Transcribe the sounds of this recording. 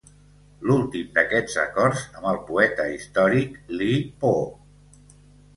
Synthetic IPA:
lulˠt̪imd̪əkɛd͡zə̰kɔrzəmbəlˠpuɛt̪əist̪ɔɾiklipo

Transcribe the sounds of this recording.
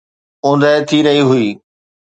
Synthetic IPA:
ʊ̃ːn̆d̪aɪt̪ʰiɾɐɦiɦʊiː

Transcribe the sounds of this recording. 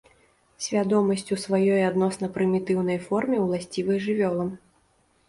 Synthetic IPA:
sʲvʲad̪ɔmɐsʲt͡sʲusvajɔjad̪nɔsn̪ɐpɾɨmʲit̪ɨwn̪ɐjfɔrmʲiwlˠasʲt͡sʲivɨjʐɨvʲɔlˠɐm

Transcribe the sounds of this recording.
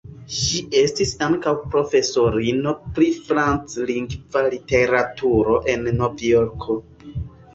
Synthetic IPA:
ʃie̞stisaŋkawpɾo̞fe̞so̞ɾino̞pɾifɾant͡sliŋɡvalite̞ɾatʰuɾo̞ʔe̞nːo̞vjoɾkʰo̞

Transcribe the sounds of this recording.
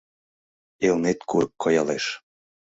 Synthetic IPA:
elnet̪kuɾəkːojɑleʃ

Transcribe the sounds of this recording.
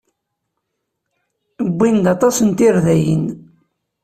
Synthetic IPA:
bːind̪ɑt̪ˤɑsənt̪iɾðæjə̰n

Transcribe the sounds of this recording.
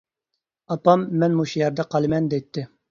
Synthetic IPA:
ɑpɑmːɛnmuʃijɛɾd̪ɛqʰɑlˠɨmɛnd̪ɛjt̪ʰːɪ

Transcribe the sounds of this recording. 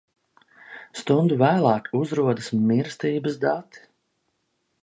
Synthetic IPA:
st̪und̪uvæːlˠɑːkuzɾuɔd̪əsmiɾst̪iːbəsd̪at̪i̥

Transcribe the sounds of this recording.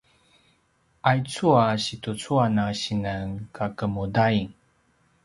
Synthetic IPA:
ʔajt͡suaɕitut͡suanaɕinənkʰakəmudaiŋ

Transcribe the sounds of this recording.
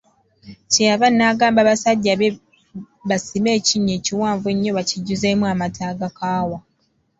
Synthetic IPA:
ceaβanːaːɡaːmbaβasaɟːaβe | βasime̞ːciɲːe̞ːciwaːɱvue̞ɲːo̞βaciɟːuze̞muamatʰaːɡakaːwa

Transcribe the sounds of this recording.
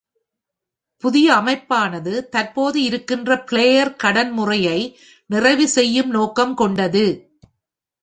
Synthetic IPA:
pʊðɪjɐːmɐɪpːaːnɐðɯt̪ɐɾpoːðɯɪɾɯkːɪndrɐpɪɭeːjɐɾkɐɽɐnmʊrɐjɐɪ | nɪrɐɪʋɯsɛjːɯmnoːkɐmkɔɳɖɐðɯ

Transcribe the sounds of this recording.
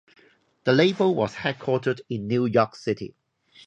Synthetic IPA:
ðəleɪbəwɔ̰z̥hɛd̚kʰw̥ɔˑtədɪ̃nːjujɔˑksɪtʰḭ

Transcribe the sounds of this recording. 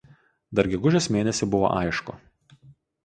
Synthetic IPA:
d̪ɐɾɡʲɛɡʊʒʲosmʲeːnʲɛsʲɪbʊʋo̰ːʔɐ̰ɪʃkʊ̰

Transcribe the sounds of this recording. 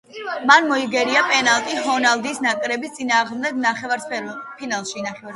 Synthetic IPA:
manmɔiɡɛɾiapʼɛnalˠt̪ʼiɦɔnalˠd̪iːsnakʼɾɛbist̪sʼinaːʁmd̪ɛɡnaχɛaɾpʰinalˠʃinaχɛaɾ

